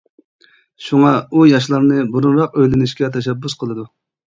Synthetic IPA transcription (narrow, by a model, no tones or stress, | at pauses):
ʃuŋɑujɑʃ̬lˠɑɾnɨbuɾunɾɑq̚øjlɪnɪʃkʲɛt̪ʰɛʃ̬ɛbːʊsqʰəlˠɨd̪u